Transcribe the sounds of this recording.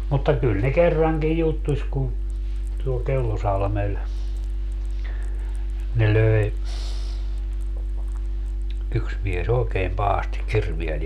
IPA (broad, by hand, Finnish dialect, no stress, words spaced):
mutːɑ kyl ne kerːɑŋkij jutːusʲ kun tuol kelːosɑlmel ne løe yks mies oːkeːm pɑhɑsti kirʋiel